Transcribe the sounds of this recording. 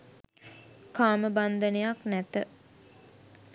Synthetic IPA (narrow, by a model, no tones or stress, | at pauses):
kaːməband̪ənejaknæt̪ə